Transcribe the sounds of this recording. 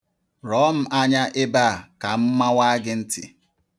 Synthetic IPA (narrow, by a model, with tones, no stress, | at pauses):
ɾɔ˨˦m̩˨a˦ɲa˦ʔɪ˦ba˦˨a˨ka˨m̩˦ma˦wa˦ɡɪ˦n̩˦tɪ̰˨